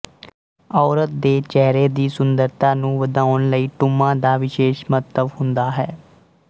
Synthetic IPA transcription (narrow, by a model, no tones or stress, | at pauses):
ɔːɾət̪̚d̪eːt͡ʃɛːɾeːd̪iːsʊnd̪əɾt̪ãːnũːʋəd̪aːʊnləiːʈʊmãːd̪aːʋɪʃeːʃmət̪əʋhʊnd̪aːɦɛː